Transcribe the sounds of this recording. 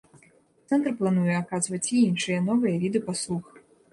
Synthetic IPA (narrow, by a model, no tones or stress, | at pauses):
t̪sɛnt̪rplˠan̪ujɛakazvɐt͡sʲiinʂɨjɐnɔvɨjɐvʲid̪ɨpaslˠux